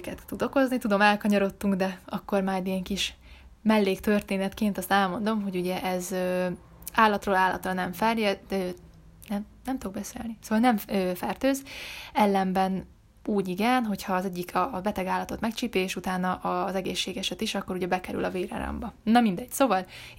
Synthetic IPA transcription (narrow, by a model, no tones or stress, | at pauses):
kɛt̪ːud̪o̞ko̞znit̪ud̪o̞mɛlkɒɲɒɾo̞t̪ːuŋɡd̪ɛɒkːormaːjd̪ijɛŋkiʃ | mɛlːeːkt̪ø̞rt̪eːnɛt̪keːnt̪ɒst̪ɛlmo̞nd̪o̞mɦo̞ɟuɟɛʔɛzøː | aːlːɒt̪roːlaːlːɒ̰t̪rɒnɛɱfɛrjɛø | nɛmnɛmt̪uoɡbɛsḛːlnisoːvɒlnɛmøːfɛrt̪øːzɛlːɛmbɛn | uːɟiɡɛnɦo̞chɒːzɛɟːikʰɒːbɛt̪ɛɡaːlɒt̪o̞t̪mɛkt͡ʃiːpeːʃut̪aːnɒʔɒzɛɡeːʃːeːɡɛʃɛt̪iʃɒkːoɾuɟɛbɛkɛɾy̰lɒveːɾɒ̰ɾɒ̰mbɒnɒmind̪ɛɟ̥soːvɒl